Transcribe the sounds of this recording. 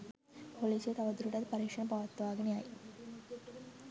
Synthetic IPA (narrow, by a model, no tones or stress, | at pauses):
poliset̪aʋəd̪ɾuʈat̪pəɾikʂəɳpəʋət̪ːəʋaɡɳiai